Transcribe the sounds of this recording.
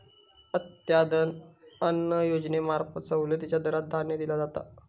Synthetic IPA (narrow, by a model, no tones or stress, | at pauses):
ət̪jad̪ənənːəjod͡ʑnemaɾfət̪səʋulet̪it͡ɕjad̪əɾat̪̚d̪ʱanjəd̪ilad͡zat̪a̰